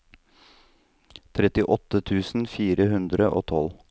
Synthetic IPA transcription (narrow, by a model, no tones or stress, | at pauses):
t̪ʰɾɛt̪ɪʔɔt̪ət̪ʰʉːsn̩fiːɾəhʉnd̪ɾəʔo̰ːt̪ʰɔl